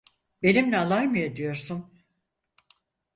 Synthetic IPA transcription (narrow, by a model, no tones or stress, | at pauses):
be̞nimlʲɛalˠajmɯjad̪ijo̞ɾsum